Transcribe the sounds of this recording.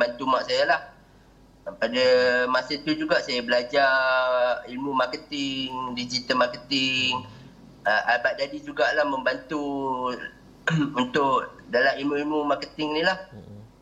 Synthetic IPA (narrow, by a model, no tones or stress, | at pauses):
bant̪umaʔsajalah | padəmasət̪ud͡ʒuɡaʔsajabəlad͡ʒa | ilmũmakət̪ɪŋŋdid͡ʒit̪əmakət̪ɪŋ | əʔabaʔ̚dadid͡ʒuɡaʔlahməmbant̪u | unt̪ʊʔdalamimũimumakət̪ɪŋnilah